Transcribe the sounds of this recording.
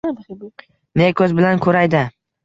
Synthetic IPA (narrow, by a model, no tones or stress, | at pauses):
nekʰɵzbɪlankʰɵɾajd̪ɪ